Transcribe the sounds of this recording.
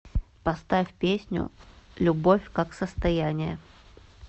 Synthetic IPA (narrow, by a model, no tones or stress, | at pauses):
pɐst̪afʲpʲesʲnʲʊ̰lʲʊbo̞fʲkaksəst̪ɐjænʲɪjə